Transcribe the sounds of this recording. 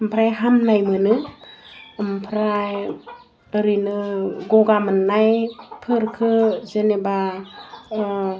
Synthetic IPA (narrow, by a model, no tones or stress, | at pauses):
əmpʰɾajɦamnajmɯnɯ | mpʰɾaj | ɾinɯɡoɡamɯnːajpʰɯɾkʰɯzeneba